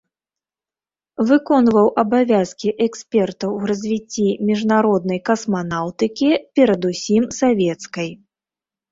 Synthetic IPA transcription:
vɨkɔnvɐwʔɐbavʲaskʲiʔɛksʲpʲɛrt̪ɐwrɐzʲvʲit͡sʲːimʲiʐnaɾɔd̪nɐjkɐsmanawt̪ɨkʲipʲɛɾɐd̪usʲimsavʲɛt̪skɐj

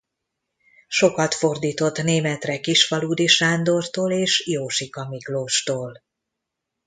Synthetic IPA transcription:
ʃo̞kɒt̪fo̞rd̪iːt̪o̞t̪neːmɛt̪rɛkiʃfɒluːd̪iʃaːnd̪o̞rt̪oːleːʃjoːʃikɒmikloːʃt̪oːl

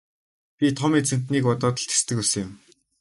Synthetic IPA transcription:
pʲit̪ʰɔmiːt͡sʰɵn̥t̪niːkɔt̪ɔːt̪ə̆ɬt̪e̥st̪ɘ̆kusɘ̆jɪ̆m

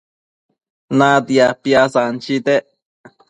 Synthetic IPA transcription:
nad̪iapiasant͡ʃid̪e

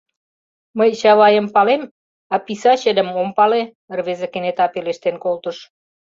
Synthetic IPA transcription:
məjɕɑβɑjəmpɑlem | ɑpisɑɕə̆d̪ə̆mompɑle | ərβezĕkenet̪ɑpeleʃt̪enkolt̪ə̆ʃ

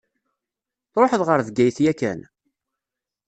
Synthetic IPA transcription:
θɾoħəðʁəɾðɡæjθjækæ̰n

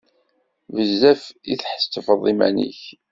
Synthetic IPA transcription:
vəzːæfiθħə̥st̪əfəðˤimæ̰nḭç

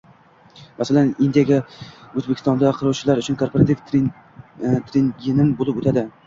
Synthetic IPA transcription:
masalanɪnd̪ijaɡʲaɵzbekʲʰɪ̥st̪ɒnd̪aqʰɨɾɒwt͡ʃʰɪlaɾʊt͡ʃʰʊnkʰo̞ɾpʰoɾat̪ʰif | t̪ʰɾenɡʲenɪmbolˠɪpot̪ʰad̪ɪ

